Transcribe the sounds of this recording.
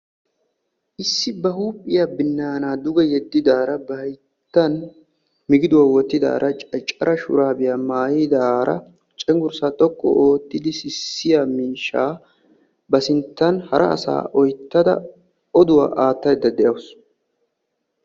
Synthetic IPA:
ʔɪsːɪbɐɦuːpʼːɪjaːbɪnːaːnaːd̪ʊɡɛjɛd̪ːɪd̪aːɾɐbɐj | t̪ːɐn | mɪɡɪd̪ʊwaːwɔt̪ːɪd̪a̰ːɾʔɐt͡ʃʼɐt͡ʃʼːɐɾɐʃʊ̰ɾaːbɪjaːmaːjid̪aːɾɐ̰ | t͡ʃʼɛŋɡʊɾsat̪ʼɔkʼːɔ̰oːt̪ːɪd̪ɪsɪsːɪjamiːʃːaː | bɐsɪnt̪ːɐnhɐɾʔɐ̰ʔɐ̰sa̰ːʔɔjt̪ːɐd̪ɐ̰ | ɔd̪ʊwa̰ːʔaːt̪ːɐjd̪ɐd̪ɛʔɐwʊs

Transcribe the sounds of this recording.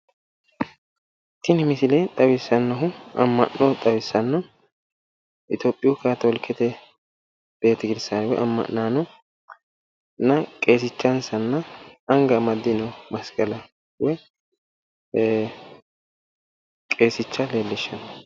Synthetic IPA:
t̪ːɪnɪmɪsɪlet̪ʼɐwɪsːɐnːɐɦʊɐ̰mːɐ̰nnɔt̪ʼɐwɪsːɐnːɔ | ʔɪt̪joːpʼːɪjʊkaːt̪ɔlkʰːɛt̪ɛ | b̥e̞ːt̪ːɪɡɪd̪ɪsːanwɛ̰ʔɐ̰mːɐ̰ʔːaːnɔ | nɐkʼe̞ːsɪt͡ʃːɐnsɐnːɐɐŋɡɐmɐd̪ːɪnɔmɐskʼɐlɐ | wɛ | kʼe̞ːsɪt͡ʃːɐle̞ːlːɪʃːɐnɐ

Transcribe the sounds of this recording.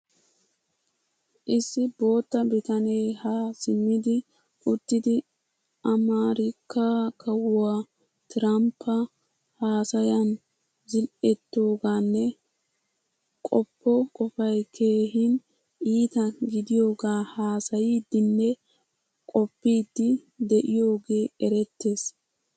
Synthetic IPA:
ʔɪsːɪbo̞ːt̪ːɐbɪt̪ɐnejhasɪmːɪd̪ɪ | ʔʊt̪ːɪd̪ɪ | ʔɐmaːɾɪkːakʰɐwʊwaː | t̪ɪɾɐmpʰːɐ | haːsɐjɐn | zɪlʔɛt̪ːo̞ːɡaːnːɛ | kʼɔpːɔkʼɔfɐjkʰe̞ːɦɪn | ʔiːt̪ɐɡɪd̪ɪjo̞ːɡaːhaːsɐjiːd̪ːɪnːɛ | kʼɔpːiːd̪ːɪd̪ɛʔɪjo̞ːɡe̞ːɛɾɛt̪ːe̞ːs

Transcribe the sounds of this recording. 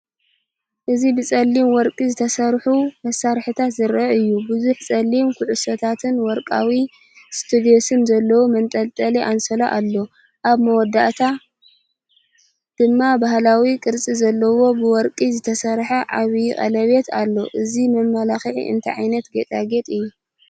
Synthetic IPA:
ʔɨzibɨt͡sʼɐlːimwɔɾkʼizɨt̪ʰɐsɐɾħumɐsːaɾħɨt̪ʰat̪zɨɾɐʔɨjːubɨzuħt͡sʼɐlːimkʰuʕʊsɐt̪ʰat̪ʰɨnwɔɾkʼa̰wi | st̪ʰud̪io̞sɨnzɐlːɐwomɐnt̪ʼɐlt̪ʼɐleʔansɐlaʔalːo̞ | ʔaβmɐwɔd̪ːaʔt̪ʰa | d̪̥ɨmːabahlawikʼɨɾt͡sʼizɐlːɐwo̞bɨwɔɾkʼizɨt̪ʰɐsɐɾħɐʔaβjχʼɐ̰lɐβe̞t̪ʰalːo̞̰ʔɨzimɐmːɐlaxiʕḭɨ̰nt̪ʰɐʕa̰jnɐt̪ɡɐt̪ʼaɡet̪ʼɨjːu

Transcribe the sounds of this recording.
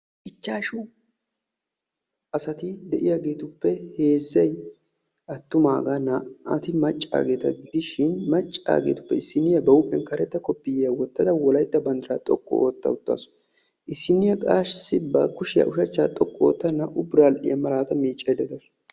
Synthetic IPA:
ʔɪt͡ʃːaːʃu | ʔɐsɐt̪ɪd̪ɛʔɪjaɡe̞ːt̪ʊpːɛhe̞ːzːɐj | ʔɐt̪ːʊmaːɡɐnɐʔɐ̰t̪ɪmɐt͡ʃʼːa̰ːɡe̞ːt̪ɐɡɪd̪ɪʃɪnmɐt͡ʃʼːa̰ːɡḛːt̪ʊ̥pːɛɪsːɪnɪjɐbɐwʊpʼːɛnkɐɾɛt̪ːɐkɔpːɪjɐwɔt̪ːɐd̪ɐwɔlɐjt̪ːɐbɐnd̪ɐɾaːt̪ʼɔkʼːɔ̰ʔo̰ːt̪ːɐ̰ʊt̪ːa̰sʊ̥ | ʔɪsːɪnːɪjɐkʼaːʃsɪbɐkʊʃɪjɐ̰ʔʊʃɐt͡ʃːaːt̪ʼɔkʼːɔo̰ːt̪ːɐnɐʔʊbɾaːlʔɪ̰jɐmɐɾaːt̪ɐmiːt͡ʃʼːɛd̪ɛd̪ɐs

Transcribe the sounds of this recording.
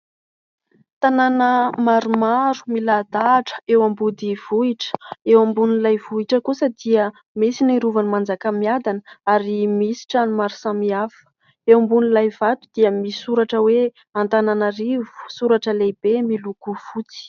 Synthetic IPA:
t̪ananəmaɾumaɾu̥milad̪aʈ͡ʂə̥ewambud̪iv̥uiʈ͡ʂə̥ewambunilajvuiʈ͡ʂəkusəd̪iə | mesiniɾuvanimand͡zakamiad̪anəaɾimisi̥ʈ͡ʂanumaɾu̥samiafə̥ | ewambunilajvat̪u̥d̪̥iəmisuɾaʈ͡ʂəwe | ant̪ananaɾivu̥suɾaʈ͡ʂəlebemilukufut͡si̥

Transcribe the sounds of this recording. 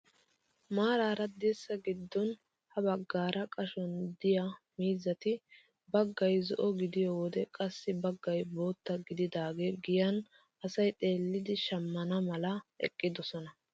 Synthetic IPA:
maːɾaːɾɐd̪ɛsːɐɡɪd̪ːɔn | hɐbɐɡːaːɾʔɐkʼɐʃɔnd̪ɪjɐ | miːzɐt̪ɪ | bɐɡːɐjzɔʔɔɡɪd̪ɪjoːwɔd̪ɛkʼɐsːɪbɐɡːɐjbo̞ːt̪ːɐɡɪd̪ɪd̪aːɡeːɡɪjɐn | ʔɐsɐjt̪ʼe̞ːlːɪd̪ɪʃɐmːɐnɐmɐlɐɛ̰kʼːɪd̪ɔsɔnɐ

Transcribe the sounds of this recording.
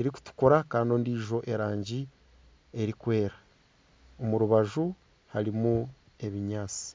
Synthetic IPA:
eɾiku̥tu̥koɾakaːndio̞ːndiːʒo̞ʔe̞ɾaːɲɟi | e̞ɾikwe̞ːɾa | omuɾuβaʒu | haɾimu | e̞βiɲaːt͡si̥

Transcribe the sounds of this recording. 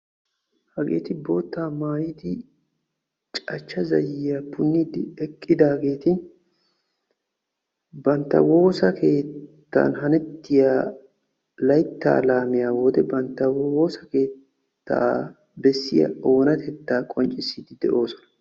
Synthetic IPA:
hɐɡḛːt̪ɪbo̞ːt̪ːaːmaːjɪd̪ɪ | t͡ʃʼɐt͡ʃːɐzɐ̰jɪjapʊnːid̪ɪɛkʼːɪd̪aːɡe̞ːt̪ɪn | bɐnt̪ːɐ̰wo̞ːsɐkʰe̞ːt̪ːa̰nhɐnɛt̪ːɪjaː | lɐjt̪ːa̰ːlaːmɪjaːwoːd̪ɛbɐnt̪ːɐwwoːsɐke̞ːt̪ː | a̰ | bɛsːɪjɐ̰o̞ːnɐt̪ʰɛt̪ːaːkʼɔnt͡ʃʼɪsːiːd̪ɪd̪ɛ̰ʔo̞ːsɔ̥nɐ̥

